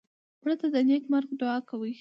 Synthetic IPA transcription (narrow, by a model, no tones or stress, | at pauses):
pɾat̪ad̪ənekmaɾɡɖʊɑkawə